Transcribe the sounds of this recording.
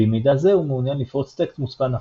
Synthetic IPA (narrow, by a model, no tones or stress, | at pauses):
imid̪azeumeunjanlifʁot͡st̪ekst̪mut͡spana